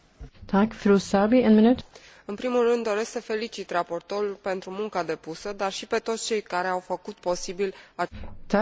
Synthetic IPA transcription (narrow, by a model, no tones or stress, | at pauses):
t̪ʰɑkfɾuːsabieːnmɪnʉt̪ | ɨnpɾimulrɨnd̪ːo̞ɾesksəfe̞lit͡ʃit̪rapo̞rt̪olupe̞nt̪ɾumuŋkad̪e̞pusəd̪arʃipe̞t̪o̞t̪st͡ʃe̞jkaɾe̞awfəkut̪po̞sibilat̪ʰa